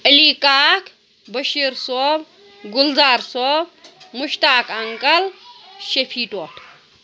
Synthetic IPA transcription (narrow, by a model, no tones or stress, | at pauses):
əlikʼaːk | bəʃiɾsob | ɡʊlzaːɾsobmʊʃt̪aːkʰɐŋkʼɐlʃepʰiːtʼoːt̪ʰ